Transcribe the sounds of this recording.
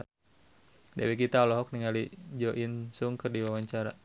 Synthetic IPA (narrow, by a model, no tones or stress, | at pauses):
da̰wɛk̬it̪alɔɦɔk̚niŋalid͡ʒɔʔinsuŋkɨrdiwawaɲt͡ʃaɾa̰